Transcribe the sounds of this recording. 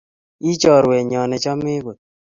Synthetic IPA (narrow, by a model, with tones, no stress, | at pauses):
i˦t͡ʃɔ˨ɾwɛ˨ɲɔ˨nɛ˨t͡ʃɔ˦me˦bo˨t̚